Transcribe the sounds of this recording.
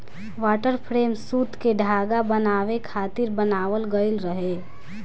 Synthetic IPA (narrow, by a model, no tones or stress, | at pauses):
ʋaːʈəɾpʰɾeːmsuːt̪keɖʱaːɡabənaːʋekʰaːt̪ɪɾbənaːʋəlɡəɪlɾəɦe